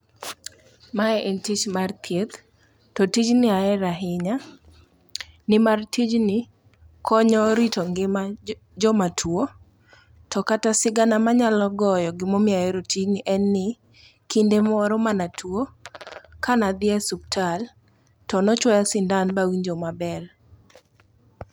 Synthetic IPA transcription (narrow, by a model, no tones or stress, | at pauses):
maɛʔentit͡ʃmart̪ʰjet̪ | tɔtid͡ʒnɪaɛɾaɦɪɲa | nɪmartʰid͡ʒnɪ | kʰɔɲɔɾitɔŋɡɪma | d͡ʒɔmatʰwo | tʰɔkatasɪɡanamaɲalɔɡɔjɔɡɪmɔmɪaɛɾotid͡ʒnɪʔɛnːɪ | kindemɔɾɔmanatʰwo | kanad̪ɪɛsuptʰal | tɔnɔt͡ʃwɔjasɪndanbawiɲd͡ʒomabɛl